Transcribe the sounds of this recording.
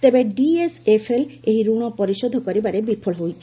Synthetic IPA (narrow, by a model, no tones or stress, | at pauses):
t̪ebeɖiesefʰeleɦiɾuɽ̃ɔpɔɾiʃɔd̪ʱɔkoɾibaɾebiɾpʰoɭɦojt͡ɕʰe